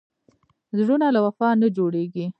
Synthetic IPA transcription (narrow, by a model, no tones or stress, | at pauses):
zɽunalawafɑnad͡ʒoɽeɡi